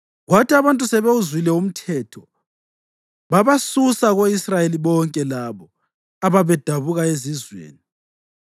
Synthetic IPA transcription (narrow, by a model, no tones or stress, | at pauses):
ɣwatʰʼiaβantʼusɛβeuzwilɛum̩tʰɛːtʰɔ | βaβasusaɣoisrajeliβɔŋkʼɛlaβɔ | aβaβɛd̥ʱaβuɣaezizwḛːni